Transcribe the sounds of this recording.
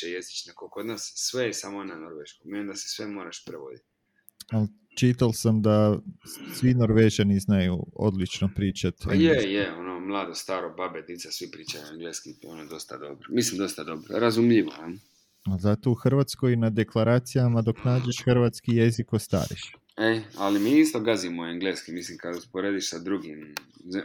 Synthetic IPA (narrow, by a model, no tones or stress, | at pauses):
ejezit͡ʃnakokod̪nassʋejesamonanoɾʋeʃkommeimd̪ase̥sʋemo̞ːɾaʃpɾeʋo̞̰d̪it̪ | al | t͡ʃit̪alsamd̪a | sʋino̞ɾʋeːʒaniznajuo̞̰d̪lit͡ʃnopɾiːt͡ʃat̪jejeonomlˠaːd̪ost̪aːɾobabet̪nit̪sasʋipɾiːt͡ʃajueŋɡleskionod̪o̞st̪a̰d̪o̰bɾomislimd̪o̞st̪ad̪obɾo̰ɾazumʎiʋo̰am | azat̪o̞uxr̩ʋat̪sko̞jnad̪e̞klˠaɾaːt̪sijamad̪o̞knaːd͡ʒe̞ʃxrʋat̪skije̞zikost̪a̰ːɾḭʃ | ealimiist̪oɡazimoaŋɡleːskimislimkad̪uspoɾed̪iʃsad̪ɾuɡim